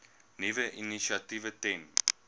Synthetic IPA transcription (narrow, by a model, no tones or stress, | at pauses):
nivəʔiniʃativətɛ̃n